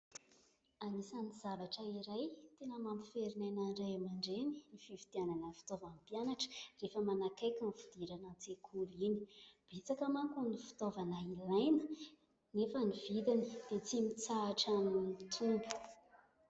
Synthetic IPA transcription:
anisaniz̥avaʈ͡ʂəiɾajt̪enəmampi̥feɾinajnaɖ͡ʐajamaɳɖ͡ʐeninifivid̪̥iananəfi̥t̪ovampjanaʈ͡ʂə̥refəmanakajkʲanfud̪̥iɾanat͡sekʰulini̥b̥et͡sakəmaŋkunifi̥t̪ovanailajnə̥ | nefənivid̪inə̥d̪̥et͡simit͡saːʈ͡ʂanunit̪ʰumbi̥

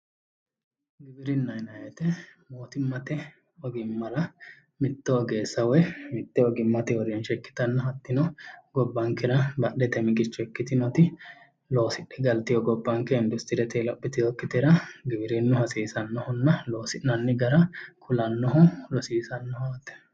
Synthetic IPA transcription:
ɡɪbɪɾɪnːɐjnɐjɛt̪ɛmoːt̪ɪmːɐt̪ɛ | ɔɡɪmːɐlɐ | mɪt̪ːɛɔɡeːsːɐwɔjmɪt̪ːɛɔɡɪmːɐt̪ɛɔɾɛnʃɛkːɪ̥t̪ɐnːɐhɐt̪ːɪnɔɡɔbːɐŋkɛɾɐbɐʔɛt̪ɛmɪɡɪt͡ʃːʊɛkːɪt̪ɪnɔt̪ɪ | lo̞ːsɪᶑːɛɡɐlt̪ɪjɔɡɔbːɐŋkːɛɪnd̪ʊst̪ɪɾɛt̪ɛlɔpːɪt̪ɪjɔkːɪt̪ɛɾɐɡɪbɪɾɛnːʊhɐsiːsɐnːɔhʊnːɐlo̞ːsɪnːɐnːɪɡɐɾɐkʰʊlɐnːɔɦʊlɔsiːsɐnːɔhat̪ɛ̥

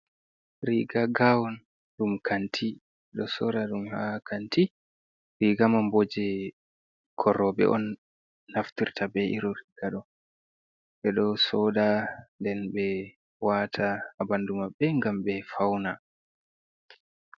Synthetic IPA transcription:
ɾiɡaɡawɔn | ɗumkʰantʰi | ɛɗɔsɔɗaɗumhakʰanti | ɾiɡamambod͡ʒɛ | kʰɔɾːɔbɛ̰ʔɔ̰nː | aftiɾtʰabɛʔiɾɔɾiɡ̥aɗɔ | ɓɛɗɔsɔdandɛnbɛ | watʰahabandumabːɛŋɡambɛfawna

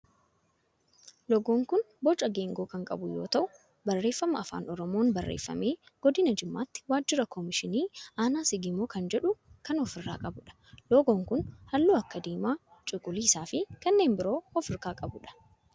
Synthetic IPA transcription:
lɔɡoːŋkʊn | bɔt͡ʃʼɐɡeːŋɡo̞ːkɐŋkʼɐ̰bʊjo̞ːt̪ɐʔʊ | bɐrːe̞ːfːɐmɐɐfa̰ːnɔɾɔmo̞ːnbɐrːḛːfːɐ̰meːɡ̥ɔd̪ɪnɐd͡ʒɪmːaːt̪ːɪ̥waːd͡ʒːɪɾɐkʰɔmɪʃɪniːʔaːnaːsɪɡɪmoːkɐnd͡ʒɛᶑʊkɐnɔfɪrːa̰ːkʼɐbʊᶑɐ̥lɔɡoːŋkʊnhɐlːuːɐkːɐd̪iːmaː | t͡ʃʼɪkʼʊliːɪsaːfɪkɐnːe̞ːmbɪɾo̞ːɔfɪɾkaːkʼɐbʊᶑɐ̥

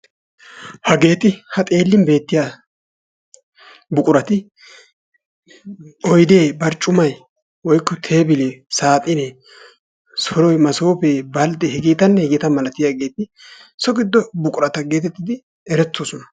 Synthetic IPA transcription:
hɐɡe̞ːt̪ɪhɐt̪ʼe̞ːlːɪnbe̞ːt̪ːɪja | bʊkʼʊɾɐt̪ɪ | ɔjd̪e̞ːbɐɾt͡ʃʼʊmɐj | wɔjkːɔt̪ʰe̞ːbɪlesaːt̪ʼɪne | sɔɾɔjmɐso̞ːpeːbɐld̪ɛhɪɡiːt̪ɐnːɛhɛɡɪt̪ɐmɐlɐt̪ɪjaːɡe̞ːt̪ɪ | sɔɡɪd̪ːɔbʊkʼʊɾɐt̪ɐɡe̞ːt̪ɛt̪ːɪd̪ɪ | ɛɾɛt͡sːoːsɔnɐ

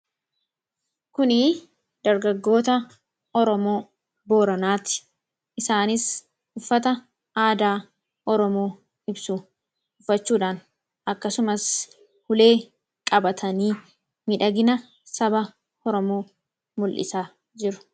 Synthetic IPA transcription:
kʊnɪ | d̪ɐɾɡɐɡːo̞ːt̪ɐ | ɔɾɔmo̞ː | boːɾɐnaːt̪ɪ̥ | ʔɪsaːnɪs | ʊfːɐt̪ɐ | aːd̪aː | ʔɔɾɔmoː | ɪbsʊ | ʊfːɐt͡ʃːuːᶑaːn | ʔɐkːɐsʊmɐs | hʊle̞ː | kʼɐbɐt̪ʰɐniː | mɪᶑɐɡɪnɐ | sɐbɐ | hɔɾɔmoː | mʊlʔɪ̰saː | d͡ʒɪɾʊ̥

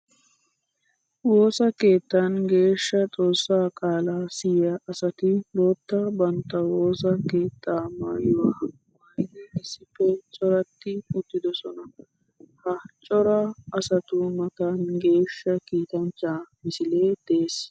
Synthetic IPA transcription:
wo̞ːsɐke̞ːt̪ːanɡe̞ːʃːɐt͡sʼo̞ːsːaːkʼaːlaːsɪjɐʔɐsɐt̪ɪboːt̪ːɐbɐnt̪ːɐwo̞ːsɐke̞ːt̪ʰːaːma̰ːjʊwaɐ | ʊɐnɛɪsːɪfːɛt͡ʃʼɔɾɐt̪ːɪʊt̪ːɪd̪ɔsɔnɐ | hɐt͡ʃʼɔɾɐːsɐt̪ʊmɐt̪anɡe̞ːʃːɐkiːt̪ɐnt͡ʃːaːmɪsɪle̞ːd̪̥eːs

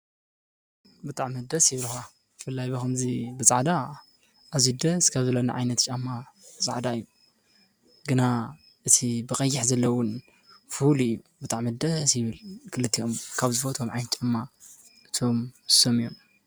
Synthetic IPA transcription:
bɨt̪ʼaʕmid̪ɐsjɪβɨlxa | bɨfɨlːajbɐxɐmzibɨt͡sʼaʕd̪a | ʔazid̪ɐskʰaβzɐlona̰ʕajnɐt̪t͡ʃʼamːabt͡sʼa̰ʕd̪aɨjːu | ɡɨna | ʔɨt̪ʰibɨxʼɐjːɪħzɐlːɐwʊn | fulijːubɨt̪ʼaʕmid̪ɐsjɪβɨlkʰɨlɨt̪ʰːio̞mkʰaβzɨfot̪ʰomʕajnt̪t͡ʃʼamːa | ɨt̪ʰo̞msomijon

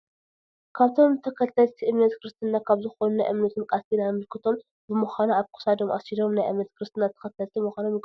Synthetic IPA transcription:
kʰaβt̪ʰo̞mt̪ʰɐkʰɐt̪ʰɐlt̪ʰiʔɨmnɐt̪kʰɨɾɨst̪ʰɨnːakʰaβzɨxo̞nunajʔɨ̰mnɐt̪ʰɨnkʼast̪ʰinanmɨlkʰɨt̪ʰo̞m | bɨmuxanaaβkʰu̥sad̪o̞mʔa̰silo̞mnajʔɨ̰mnɐt̪kɨɾɨst̪ʰɨnːat̪ʰɐ̥xɐt̪ʰːɐlt̪ʰimuxʷanomjɨɡ

